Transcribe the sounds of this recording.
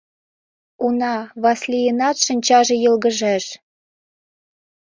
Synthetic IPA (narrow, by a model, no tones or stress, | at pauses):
unɑβɑslʲijənɑt̪ʃɤ̆nʲt͡ɕɑʒɤ̆jɤ̆lɣə̆ʒæʃ